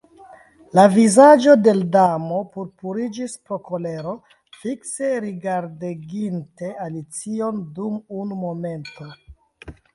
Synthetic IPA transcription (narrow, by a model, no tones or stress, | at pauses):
lavizad͡ʒo̞de̞ldamo̞puɾpuɾid͡ʒispɾo̞ko̞le̞ɾo̞ | fikse̞ɾiɡaɾdeɡinte̞alit͡sio̞ndumunumo̞me̞nto̞